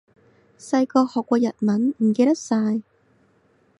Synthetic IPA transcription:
sɐ˧jkɔː˧hɔː˨kʷːɔː˧jɐ˨˩t̚mɐ˨˥nm̩˨˩keː˧t̪ɐ˥k̚saː˧j

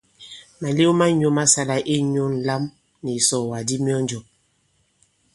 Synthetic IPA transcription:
ma˨le˦o˦ma˦ɲo˦ma˦sa˦la˨ʔe˦ɲo˦n˨˦la˦m | ni˨sɔ˨wa˨di˦mjɔ˦n˦d͡ʒo˨

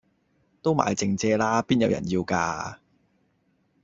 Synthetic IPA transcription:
t̪o˥wma̰ː˨jt͡sɪ˧ŋt͡sɛː˧laː˥piː˥njɐ˨˧wjɐ̰˨˩njiː˧wkaː˧

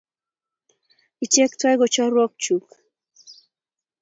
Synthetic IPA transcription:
i˨t͡ʃe˦ktwa˦jɡo˨t͡ʃɔ˦ɾwɔ˦k̚t͡ʃu˨k

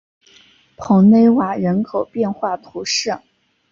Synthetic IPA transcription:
pʰɤ˧˥ŋne˧˥ɪwa˨˩ɻə˧˥nkʰo˨˩ʊpjɛ˥˧nxwa˥˩t̪ʰu˧˥ʂɤ˥˩ŋ

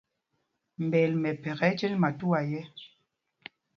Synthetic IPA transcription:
m̩˨bɛ˨lmɛ˨pɛ˨ɣɛ˨˦t͡ʃe˦nma˨tu˦a˨jɛ˦

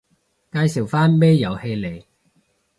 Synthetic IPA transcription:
kaː˧jsi˨˩wfaː˥nme˥jjɐ˨˩whe˧jle˨˩j

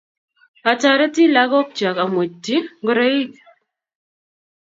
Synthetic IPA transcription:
a˨ta˨ɾɛ˦ti˦la˦ɡɔ˦k̚t͡ʃa˨ka˨mwe˨tːi˦ɡɾe˦i˦k

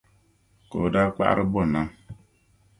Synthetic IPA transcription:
ko̰˨da˦k͡pa̰˦ʔɾɨ˦bɔ˦˨na˦ŋ

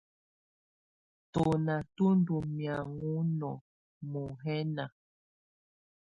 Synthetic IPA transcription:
to˨na˨tu˦n˦du˨mja˨ŋu˦nɔ˨ | mo˨ɦɛ˦na˨

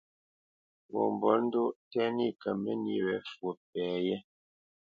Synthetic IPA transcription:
wɔ̰˨m˨bɔ˨˦n̩˦do˦tɛ˦ni˦˨kə˨mɛ˦ni˦ɾɛ˨˦fwo˨p̚ɛː˨˦jɛ˦

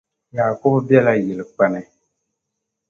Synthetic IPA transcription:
jaː˨kʊ˦bbjɛ˦la˦jɪ˨lɨ˨k͡pa˦nɨ˨

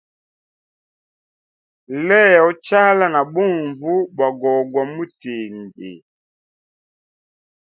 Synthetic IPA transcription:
lɛ˦˨ɔ˦t͡ʃa˦la˦na˨ɓu˦˨ɱvu˦ba˨ɡɔ˨ɡwa˨mu˦te˨ŋɡḛ˨

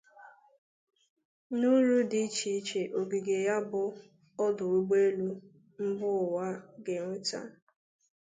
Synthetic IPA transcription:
nu˦ɾu˦di˨˦t͡ʃi˨˦t͡ʃe˨ʔo˨ɡi˨ɡe˨ja˦bʊ˨ | ɔ˦dʊ˨wi˦ɡ͡be˦lu˦ | m̩˦bʊ˦˨wa˦ɡe˨ŋʷe˦ta̰˦

